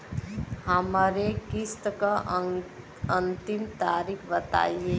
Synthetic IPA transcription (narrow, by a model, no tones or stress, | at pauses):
həməɾekist̪əka | ənt̪imt̪aːɾikʰbət̪a̰ːie